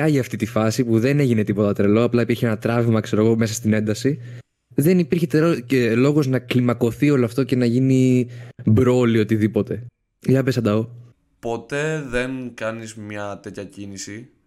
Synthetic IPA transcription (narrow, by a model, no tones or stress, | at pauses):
ɐʝiɐft̪it̪ifɐsipuðe̞ne̞ʝine̞t̪ipo̞t̪ɐt̪ɾelo̞ɐplɐipiɾçienɐt̪ɾɐvimɐkse̞ɾo̞ɣo̞me̞sɐst̪ine̞nd̪ɐsi | ðe̞nipiɾçet̪eocelo̞ɣoznɐklimɐko̞θio̞loɐft̪oce̞nɐʝini | bɾo̞lio̞t̪iðipo̞t̪e̞ | ʝɐbesɐnd̪ɐo | po̞t̪e̞ðenkɐnizmɲɐt̪e̞t̪çɐcinisi